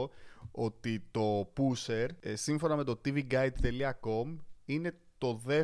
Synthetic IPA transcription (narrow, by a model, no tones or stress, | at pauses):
o̞t̪it̪o̞puse̞ɾsiɱfo̞nɐme̞t̪o̞t̪iviɡɐjd̪θeliɐko̞mine̞ | t̪o̞ðe̞